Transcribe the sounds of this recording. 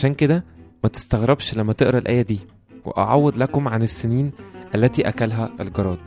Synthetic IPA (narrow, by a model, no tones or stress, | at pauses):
ʃæːnked̪æmæt̪e̥st̪æɣɾebʃlæmːæt̪eʔɾˤɑlʔæ̰ːjæd̪iː | wḛʔɑ̰ʕawːed̪lækomʕanesːeniːnʔælːæt̪iːʔækælɦæʔelɡɑɾˤɑːd̪̚